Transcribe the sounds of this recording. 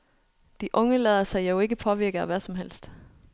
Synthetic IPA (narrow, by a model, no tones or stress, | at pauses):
d̥iʔɔ̽ŋəlɛðˠɐsɑ̈ɪjoʊe̝ɡ̥əpʰɒ̽ʋiɐɡ̥ɐʋæsɒ̽mɦel̰sd̥